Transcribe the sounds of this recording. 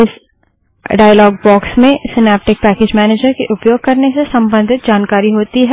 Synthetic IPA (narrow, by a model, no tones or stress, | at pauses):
ɪs | ɖaːjlɔːɡ̚bɔːksmẽsɪnɛːp̚ʈɪk̚pɛːkeːd͡ʒmɛːneːd͡ʒəɾkeʔʊpjoːɡ̚kɐɾnesesɐ̃mbə̃nd̪ʱɪt̪̚d͡ʒaːnkaːɾiɦoːt̪iɦɛ